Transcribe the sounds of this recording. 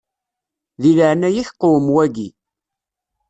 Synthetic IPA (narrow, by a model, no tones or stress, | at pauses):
ðiləʕnæjiçqːʊwəmwæɡi